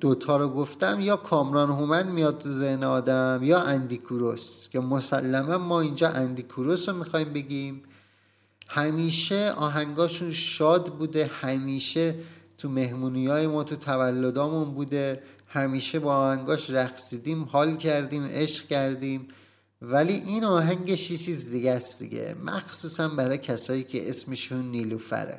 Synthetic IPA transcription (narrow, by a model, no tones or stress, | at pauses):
d̪̥ot̪ʰɒːɾoɡoft̪æmjɒːkʰɒːmɾɒːnɦomænmijɒːd̪̚t̪ʰuzehneɒːd̪æmjɒːʔænd̪ikʰuɾoscʰemosælːæmæmmɒːind͡ʒɒːʔænd̪ikʰuɾosomixɒːiːmbe̞ɟiiːm | hæmiːʃeʔɒ̰ːɦæŋɡɒːʃunʃɒːd̪buːd̪ehæmiːʃet̪ʰume̞hmuːnijɒːjemɒːt̪ʰut̪ʰævælːod̪ɒːmunbuːd̪e̞hæmiːʃebɒːhæŋɡɒːʃɾæxsiːd̪iːmhɒːlcʰæɾd̪iːmʔeʃɡcæɾd̪iːm | væliʔiːnɒːɦæŋɟeʃjet͡ʃʰiːzd̪iɡæst̪d̪̥ḭɟḛmæ̰xsuːsænbæɾɒːjcʰæsɒːjiːcʰḛʔesmeʃunːiːlufæ̰ɾḛ